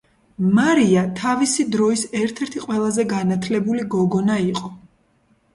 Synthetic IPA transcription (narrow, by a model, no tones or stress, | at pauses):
maɾiat̪ʰavisid̪ɾɔisɛɾt̪ʰɛɾt̪ʰiqʼwɛlˠazɛɡanat̪ʰlɛbuliɡɔɡɔnaiqʼɔ